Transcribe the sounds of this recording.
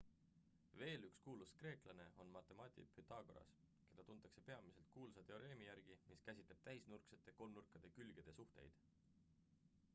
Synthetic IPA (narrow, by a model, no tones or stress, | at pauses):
ve̞ːlykskuːluskre̞ːklɑne̞o̞nmɑt̪ːˑe̞mɑːt̪ʲḭphyt̪ˑːɑːɡoɾɑ̰s | ke̞d̪̥ɑt̪unt̪ːˑɑkse̞pe̞ɑmise̞lt̪̚kuːlsɑt̪e̞o̞ɾe̞ːmijæɾɡ̥imiskæsʲit̪le̞b̥̚t̪æisnurkset̪ːˑe̞ko̞lmnurkːˑɑd̪̥e̞kylɡ̥e̞d̪̥e̞suht̪e̞̰jd̪̥